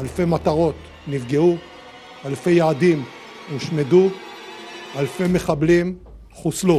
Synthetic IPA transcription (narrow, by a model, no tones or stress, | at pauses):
alfe̞mat̪aʁo̞t̪ | nivɡeu | alfe̞jaːd̪im | eʃme̞du | alfeme̞χablim | χuslu